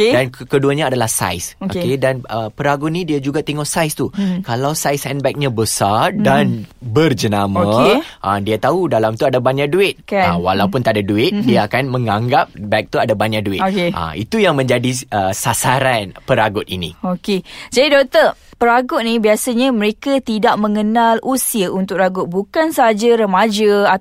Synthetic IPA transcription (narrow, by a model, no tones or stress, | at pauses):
kdankəduaɲaːdalahsa̰jsookedanəpəɾaɡʊt̪̚nĩdiad͡ʒuɡat̪ɛŋɔʔsajst̪ukalawsajsɛnbɛk̚ɲãbəsardanbərd͡ʒənamãʔadiat̪audalamt̪uadabaɲaʔduɪt̪̚kaawa̰lawpʊnt̪adaduɪt̪̚diaakanmə̃ŋaŋɡap̚bɛk̚t̪uadabaɲaduɪt̪keʔa̰ḭt̪ujaŋmə̃ɲd͡ʒadiəsasaɾanpəɾaɡʊt̪̚ḭnḭ̃oked͡ʒadidɔk̚t̪ə | pəɾaɡʊt̪̚nĩbiasaɲaməɾekat̪idaʔmə̃ŋənalusiəʔunt̪ʊk̚raɡʊt̪̚bukansaɦad͡ʒaɾəmad͡ʒaa